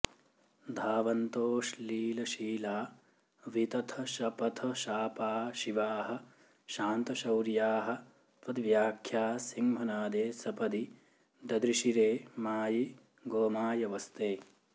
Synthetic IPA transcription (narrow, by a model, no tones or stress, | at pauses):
d̪ʱaːʋɐnt̪oːʃliːlɐʃiːlaː | ʋit̪ɐt̪ʰɐʃɐpɐt̪ʰɐʃaːpaːʃiʋaːɦɐ̆ | ʃaːnt̪ɐʃɐwɾjaːɦɐ̆ | pɐd̪ʋjaːkʰjaːsiŋmʱɐnaːd̪eːsɐpɐd̪i | d̪ɐd̪ɾiʃiɾeːmaːji | ɡoːmaːjɐʋɐst̪eː